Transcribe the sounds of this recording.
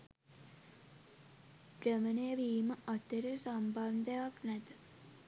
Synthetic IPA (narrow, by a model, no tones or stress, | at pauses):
pɾəmənəjəʋiːməʔat̪əɾəsamband̪əjaknæt̪ə